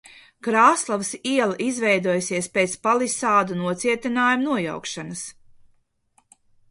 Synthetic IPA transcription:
kɾaːslˠavsiɛlˠaʔizvɛjd̪uɔjsiɛspeːt̪spalˠisaːd̪unuɔt̪siɛt̪inaːjumunuɔja̰wkʃanɐs

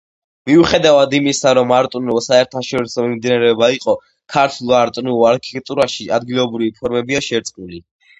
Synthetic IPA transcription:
miuχɛd̪avad̪imisaɾɔmaɾt̪ʼunulˠsaɛɾt̪ʰaʃɔɾisɔmimd̪inaɾɛɔbaiqʼɔ | kʰaɾt̪ʰulˠaɾt̪ʼnulˠaɾkʰit̪ɛk̚ʼt̪ʼuɾaʃiʔad̪ɡilˠɔbɾivipʰɔɾmɛbiaʃɛɾt̪sʼkʼuli

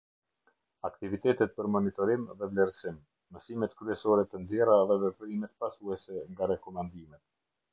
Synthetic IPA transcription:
akt̪ivit̪ɛt̪ɛt̪̚pəɾmɔnit̪ɔɾimðɛvlɛɾsim | məsimɛt̪kɾyɛsɔɾɛt̪ənzjɛɾaðɛvɛpɾimɛt̪pasuɛsɛŋɡaɾɛkɔmand̪imɛt̪̚

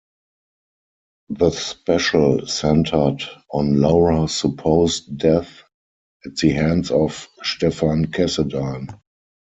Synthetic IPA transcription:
ðəspɛʃəlsɛ̃ntʰə˞dɔ̃nlaʊɹasəpʰoʊstdɛθ | ɛt̚ðəhæ̃nsɔfʃtɛfãnkʰɛsədãn

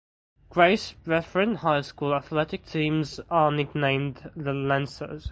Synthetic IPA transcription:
ɡ̥ɹeɪsɹɛfɹə̃nʔhaɪskuːləθlɛtɪk̚tʰĩːmzənɪknẽɪ̃mdðəlæ̃nsə̰z̥

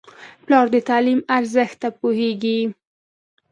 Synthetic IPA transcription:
plɑɾd̪ət̪ɑlimaɾzəxt̪ːapoheɡi

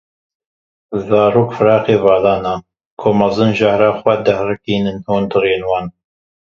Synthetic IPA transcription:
zaːɾuːkfɨɾɑːqeːvaːlaːnaː | kʰoːmɐzɨnʒahɾaːxwɛd̪ɐhrɨkiːnɨnh̪uːnd̪ɨɾeːnwaːn

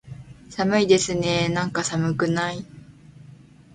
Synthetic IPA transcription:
samɯ̟id̪e̞sɨne̞nãŋkasamɯ̟kɯ̟nai

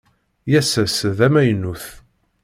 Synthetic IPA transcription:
jæsæsðæmæjənːuθ

